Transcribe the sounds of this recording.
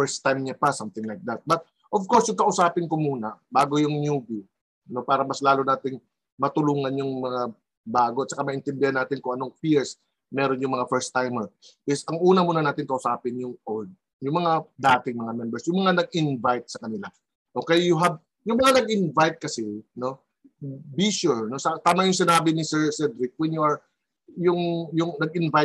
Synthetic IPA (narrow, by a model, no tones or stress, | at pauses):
fɛɹst̪ːajmɲapɐsɐmt̪ɪŋlajk̚d̪ɐt̪̚bɐt̪̚ | ʔovkoɹsjʊŋkɐʔʊsaːpɪnkomuːnɐbaːɡojʊŋnjuːbi | nopaːɾɐmɐslaːlonaːt̪ɪŋ | mɐt̪ʊluːŋɐnjʊŋmɐŋa | baːɡoʔɐt̪̚t͡ʃɐkamɐʔɪnt̪ɛnd̪ɪhanːaːt̪ɪnkʊŋʔɐno̞ŋpiɹs | mɛːɾonjʊŋmɐŋafɛɹst̪ːajmoɪsɐŋʔuːnɐmuːnɐnaːt̪ɪnkɐʔʊsaːpɪnjʊŋʔold̪̚ | jʊŋmɐŋad̪aːt̪ɪŋmɐŋamɛmbɛɹsjʊŋmɐŋanɐɡ̚ɪnvajt̪̚sɐkɐnɪla | ʔo̞ːkɛjjʊɦɐb̚ | jʊŋmɐŋanɐɡ̚ʔɪnvajt̪̚kɐsɪno̞ | biʃuɹno̞sɐt̪aːmɐŋjʊŋsɪnaːbɪnɪsɛɹsɛd̪ɾɪk̚wɛnjuɐɹ | jʊŋjʊŋnɐɡɪnva